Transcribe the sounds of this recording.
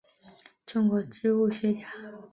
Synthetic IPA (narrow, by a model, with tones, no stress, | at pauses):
ʈ͡ʂʊ˥ŋkwɔ˧˩ʈ͡ʂɻ̩˥˧u˥˩ɕɛ˥˩t͡ɕja˨˩˦